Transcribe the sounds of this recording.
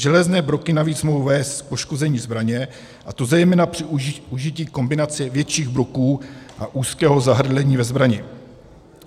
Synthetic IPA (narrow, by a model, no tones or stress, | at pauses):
ʒɛlɛznɛːbɾo̞kɪnaviːt͡smoɦowvɛːst̪po̞ʃko̞zɛɲiːzbɾaɲɛ | ʔat̪o̞zɛjmɛːnapr̝̥ɪuʒɪciːko̞mbɪnat͡sɪvjɛtt͡ʃiːɣbɾo̞kuːʔaʔuːskɛːɦo̞zaɦr̩dlɛɲiːvɛzbɾaɲɪ